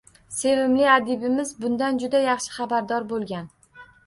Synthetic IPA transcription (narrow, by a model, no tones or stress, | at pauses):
se̞vɪmlɪad̪ɪbɪmɪzbʊnd̪and͡ʒʊd̪ajɑχʃɪ̥χɑbaɾd̪ɒɾbolˠɡʲan